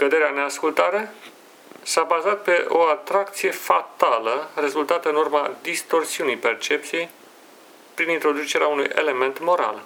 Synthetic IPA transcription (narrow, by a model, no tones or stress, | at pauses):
kəd̪e̞ɾeane̞askult̪aɾe̞ | sabazat̪̚pe̞ʔoat̪ɾak̚t̪sije̞fat̪aləre̞zult̪at̪əɨnurmad̪ist̪o̞rsiunijpe̞rt͡ʃe̞p̚t̪sije̞j | pɾinint̪ɾo̞d̪ut͡ʃe̞ɾeaunujʔe̞̰le̞me̞nt̪mo̞ɾa̰l